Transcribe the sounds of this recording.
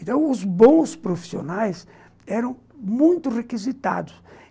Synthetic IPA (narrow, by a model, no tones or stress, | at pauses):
t̪ɐ̃w̃ʊzbõspɾofi̥sio̰najs | ɛɾɐ̃w̃ | mũj̃t̪ʊrekizit̪a̰d̪ʊs